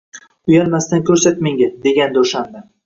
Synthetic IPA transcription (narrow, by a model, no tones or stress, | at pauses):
ʊjanmast̪ankʲʰɵɾsat̪meŋʲad̪e̞ɡʲand̪oʃamd̪a